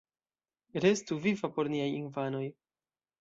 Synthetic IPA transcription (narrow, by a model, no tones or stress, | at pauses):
ɾe̞stuvivapo̞ɾniajinfano̞j